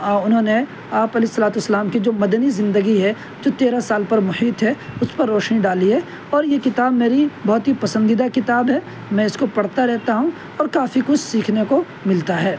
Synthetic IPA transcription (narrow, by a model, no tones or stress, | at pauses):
aʊnɦõːne | aːpɐleɪsːɐlaːt̪uəsːəlaːmkid͡ʒoːmɐd̪ənizɪ̃nd̪əɡiɦɛ | d͡ʒoːt̪eːɾasaːlpɐɾmʊhiːt̪ɦɛʊspɐɾːoːʃniɖaːliɦɛ | ɔːɾjekɪt̪aːbmeːɾibɔɦt̪ɦipɐsə̃nd̪id̪akɪt̪aːbɦɛː | mɛ̃ɪskopɐɽ̤t̪aɾɛɦt̪aɦũ | ɔːɾkaːfikʊt͡ʃʰsiːkʰneko | mɪlt̪aɦɛː